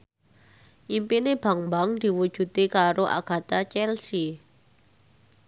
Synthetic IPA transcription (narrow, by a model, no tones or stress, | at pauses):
ʔimpineb̥a̤ŋmbaŋd̪̥i̤wud̥ʒ̥ṳt̪ikaɾoʔa̰ɡ̥a̤t̪at͡ʃɛlsi